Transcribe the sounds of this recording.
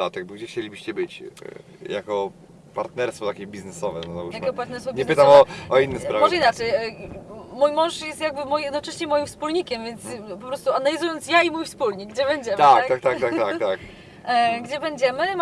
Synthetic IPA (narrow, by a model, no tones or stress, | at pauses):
at̪jaɡ̚bɔɡd͡ʑɛxt͡ɕelʲibɘɕt͡ɕɛbɘt͡ɕ | jakɔ | paɾt̪nɛɾst̪fɔt̪akʲɛbʲiznɛsɔvɛnɔzaujakɔpaɾt̪nɛɾst̪fɔɲɛpɘt̪amɔɔinːɛspɾavmɔʐɛinat͡ʂɛj | mujmɔ̃w̃ʂjɛst̪jaɡbɘmɔjjɛd̪nɔt͡ʂɛɕɲɛmɔjimfspulɲikʲɛmvʲjɛnt̪spɔpɾɔst̪uanalʲizujɔnt̪sjaimujfspulɲiɡd͡ʑɛbɛɲd͡ʑɛmt̪ak̪at̪ak̚t̪at̪ak̪akt̪ak | ɡd͡ʑɛbɛɲd͡ʑɛmɘ